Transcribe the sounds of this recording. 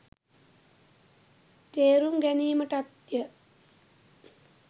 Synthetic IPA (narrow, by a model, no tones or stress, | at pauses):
t̪eːɾuŋɡæniːməʈat̪jə